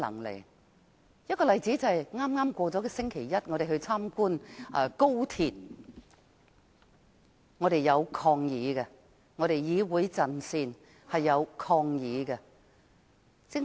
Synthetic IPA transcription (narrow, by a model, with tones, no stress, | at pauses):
lɐ̰˨˩ŋlɪ̰˨˩ | jɐ˥kɔː˧lɐ˨jt͡si˨˥t͡sɐ˨hɐ˨jŋaː˥mŋaː˥mkʷɔː˧t͡sɔː˨˥kɛ˧sɪ˥ŋkʰe˨˩jjɐ˥t̚ŋɔː˨˧ɾe˨jhɵ˧ɥt͡sʰaː˥mkuː˥nʔɐ˧˩ko˥wt̪ʰiː˨t̚ | ŋɔː˨˧ɾe˨jɐ˨˧wkʰɔː˧ŋjiː˨˧ɡɛ˧ | ŋɔ˨˧ɾe˨jjiː˨˧wuː˨˧jt͡sɐ˨nsiː˧n | hɐ˨jːɐ˨˧wkʰɔː˧ŋjiː˨˧ɡɛ˧ | sɪ˥ŋ